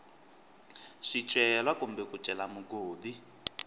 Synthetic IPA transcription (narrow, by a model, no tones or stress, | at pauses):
ʂit͡ʃʼɛlwakumbɛkut͡ʃʼɛlamuɡoːdi